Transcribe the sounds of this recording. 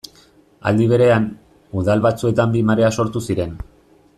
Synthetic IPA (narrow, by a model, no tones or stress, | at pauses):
a̰ld̪iβ̞e̞ɾe̞an | uðalβat͡sue̞t̪ambimaɾe̞aso̞ɾt̪usiɾe̞n